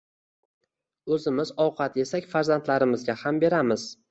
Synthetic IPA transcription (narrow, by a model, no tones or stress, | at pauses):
ɵzɪmɪzɒwqʰɑt̪e̞sakʲfaɾzant̪laɾɪmɪzɡʲahambe̞ɾamɪz